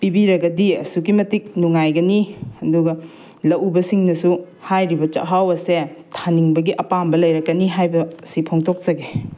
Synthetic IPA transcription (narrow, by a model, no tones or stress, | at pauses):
pibiɾɐɡɐdiɐ̰suɡimɐtik̚nuŋajɡɐniɐduɡɐ | lɐʔubɐsiŋnɐsu | hajɾibɐt͡ʃɐ̰ɦawɐsetʰaniŋbɐɡiʔɐpambɐlɐjɾɐkːɐniɦajbɐsipʰoŋtʰok̚t͡ʃɐɡe